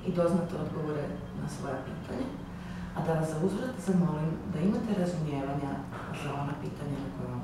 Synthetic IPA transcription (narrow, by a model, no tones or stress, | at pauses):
id̪o̞znat̪eo̞d̪ɡo̞ʋoɾe | nasʋo̞japḭːt̪aɲa | ad̪aʋaszauzɾat̪zamolimd̪aimat̪e̞ɾazumjeːʋaɲa | ʒaonapiːt̪aɲanakoje